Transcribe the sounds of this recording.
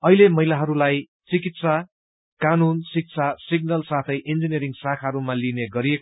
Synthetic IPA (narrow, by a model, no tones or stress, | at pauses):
ʌilemʌɦilaɦʌɾulaj | t͡sikit̪sa | kanunsik̚sʰasiɡ̚nʌlsat̪ʰʌjʔind͡zinijʌɾiŋsakʰaɦʌɾumalineɡʌɾiek